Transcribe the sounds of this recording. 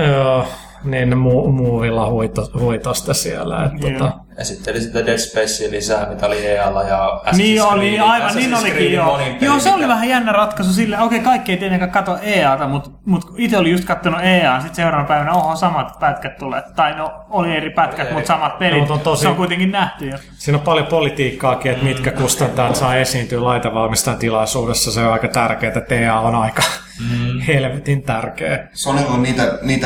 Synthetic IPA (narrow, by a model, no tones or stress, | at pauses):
oː | niːnnemuːmuːʋilːɑhuit̪ohuit̪ost̪ɑsiæ̰læ̰ḛt̪ːt̪ːot̪ɑ | jɑ̰sit̪ːeolisit̪ædespesːilisæːmit̪æolieːɑlːɑjɑæniːoliɑiʋɑnniːnolikiːjoːljoːseoliʋæhæjænːærɑt̪kɑsusilːokeikɑikːieit̪enːeŋkækkɑt̪oeːɑːt̪ɑmut̪ | mut̪kit̪eolijust̪kɑt̪ːonueːɑːnsit̪seurɑːnɑpæiʋænæohɑsɑmɑt̪pæt̪kæt̪t̪ulḛt̪t̪ɑinoolieripæt̪kæt̪mut̪sɑmɑt̪̚pelit̪t̪ont̪oseoŋkuit̪eŋkinnæht̪yjo | siːnopɑljopolit̪iːkːɑːkiːet̪mit̪kækust̪ɑnt̪ɑːt̪sɑiesiːnt̪yːlɑit̪ɑʋɑlmist̪ɑnt̪ilɑisuːdesːɑseoɑikɑt̪ærkeːt̪et̪eːɑːonɑikɑ | helʋit̪int̪ærkeːsonelonniːt̪æniːt̪æ